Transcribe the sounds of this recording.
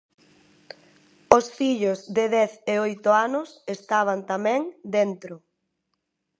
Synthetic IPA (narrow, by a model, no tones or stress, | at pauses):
osfiʎʊzðɪðɛθeojt̪ʊanʊsest̪aβ̞ant̪amɛ̃ŋd̪ɛnt̪ɾʊ